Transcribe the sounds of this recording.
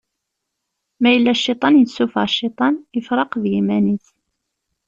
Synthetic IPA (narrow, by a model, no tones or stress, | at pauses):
mæjəlːæʃːit̪ˤɑnjəsufɑ̰ʕʃːit̪ˤɑnəfɾˤɑqðjimæniθ